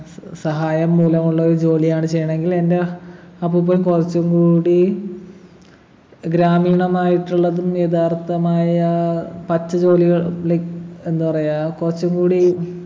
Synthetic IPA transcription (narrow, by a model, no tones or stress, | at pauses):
sɐɦaːjɐmːuːlɐmuɭːɐoɾud͡ʑo̞ːlijaːɳɨt͡ɕe̞jːɐɳɐe̞ŋɡilendeɐpːoːp̬oːlumkurɐt͡ɕːuŋkuːɽi | ɡɾaːmiːɳɐmaːjiʈːuɭːɐðumjed̪aːrt̪ɐmaːjɐpɐt͡ɕːɐd͡ʑo̞ːliɣɐɭɭeenːupɐrɐjakurɐt͡ɕːuŋɡuːɽi